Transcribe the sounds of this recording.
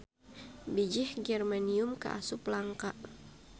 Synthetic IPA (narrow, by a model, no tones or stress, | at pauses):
bid͡ʒɪhɡɛrmaniʊmka̰ʔa̰sʊplaŋka